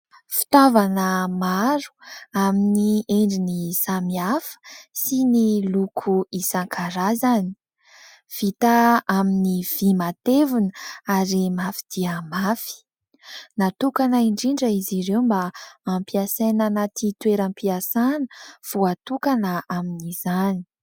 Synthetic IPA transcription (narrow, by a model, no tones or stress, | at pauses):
fi̥t̪avanəmaɾu̥aminieɳɖ͡ʐinisamiafə̥sinilukʰuisaŋkʰaɾazani̥ | v̥it̪aaminiv̥imat̪evunəaɾimafi̥d̪̥iəmafi̥ | nat̪ukanəiɳɖ͡ʐiɳɖ͡ʐəiziɾewmbaːmpiasananat̪it̪weɾampiasanəv̥uat̪ukanəaminizani